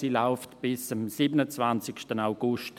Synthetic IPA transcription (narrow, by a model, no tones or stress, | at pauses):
siːlaʊftb̥ɪsamsiːbənət͡svant͡sɪkʃtənaʊɡ̥ʊʃt